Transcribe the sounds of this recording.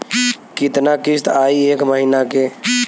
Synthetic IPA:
kit̪nakist̪aːieːkməɦinake

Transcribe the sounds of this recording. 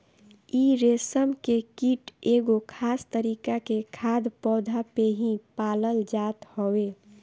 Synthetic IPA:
iɾesəmkekiʈeɡokʰast̪əɾiːkakekʰad̪pɔːd̪ʱapeɦĩpaləld͡ʒat̪howe

